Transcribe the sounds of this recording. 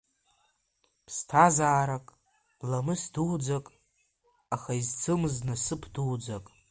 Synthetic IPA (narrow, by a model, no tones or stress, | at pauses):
pʰstʰazaːɾakʼ | lamɨsduwd͡zakʼ | aχaizt͡sʰɨmɨznɨsɨpʰduwd͡zakʼ